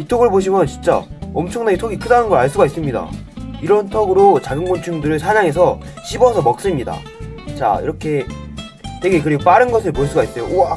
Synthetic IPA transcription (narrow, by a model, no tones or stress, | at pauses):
itʰoɡɯɭboɕ̬ʰimjʌnt͡ɕint͡ɕ͈a̰ʌmt͡ɕʰʌŋnaɡitʰoɡikʰɯdanɯnɡʌɾaɭs͈uɡais͈ɯmɲida̰iɾʌntʰʌɡɯɾot͡ɕaɡɯnɡont͡ɕʰuŋdɯɾɯɭsʰaɲaŋe̞sʰʌ | ɕʰibʌsʰʌmʌk̚s͈ɯmɲida̰ | t͡ɕa̰ḭɾʌkʰe̞ | twe̞ɡe̞kɯɾiɡopaɾɯnɡʌsʰɯɭpoɭs͈uɡais͈ʌjooa